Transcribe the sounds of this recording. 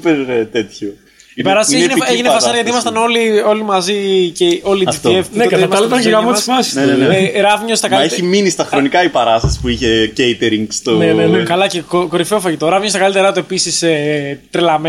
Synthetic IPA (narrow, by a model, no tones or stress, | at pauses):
peɾt̪et̪ço | ipɐɾɐssieineeʝinefɐsɐɾjɐt̪iimɐst̪ɐno̞lio̞limɐziceo̞lizit̪iefpnekɐmɐɐlit̪ɐeɣɐmuisfɐsi̥sneeɾɐvɲost̪ɐkɐleçiminist̪ɐxɾo̞nikɐipɐɾɐst̪ɐsi̥puiçe̞cejt̪eɾiŋɡst̪oneenekɐlɐcekoko̞ɾifeofɐʝit̪o̞ɾɐvɲost̪ɐkɐlit̪eɾɐt̪oepisiset̪ɾelɐme